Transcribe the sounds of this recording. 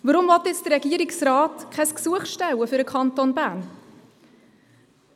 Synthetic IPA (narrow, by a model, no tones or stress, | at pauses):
vɑɾʊmvɑt̪ːɪt͡sd̥əɾɛɡ̥iəɾɪksɾɑːtkʰɛsksuəχʃtɛwəfʏɾəkʰɑnt̪onbæːn